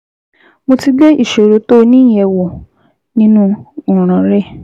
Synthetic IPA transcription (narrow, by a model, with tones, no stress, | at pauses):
mo˧ti˦dɛ˦i˦˨ʃe˨ɾo˨˦to˦˧nĩ˦˨jɛ˨˧wɔ˨ | nĩ˦nũ˦u˦˨ɾ̃ã˨˦ɾɛ˦˨